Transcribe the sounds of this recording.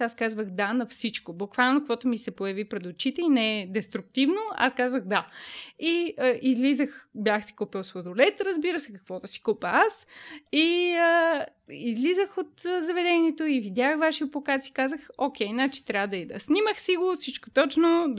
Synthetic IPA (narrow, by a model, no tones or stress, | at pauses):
askazvəxd̪anɐfsit͡ʃkobʊkvalˠnokvɔt̪omisɛpojɐvipɾɛd̪ot͡ʃit̪ɛinɛɛd̪ɛst̪ɾuk̚t̪ivnoa̰skazvəɣd̪aiəʔizlizəxbjaxsi̥kupilˠsvod̪ʊlɛt̪ɾəzbiɾəsɛkɐkvɔd̪ɐsi̥kupəasiə | izlizəxot̪zɐvɛd̪ɛniɛt̪oivid̪ʲaxvaʃiopokat̪si̥kazəxokʲɛjnat͡ʃi̥t̪ɾʲavəd̪ɐid̪ɐ̰sniməxsiɡofsit͡ʃkot̪ɔt͡ʃno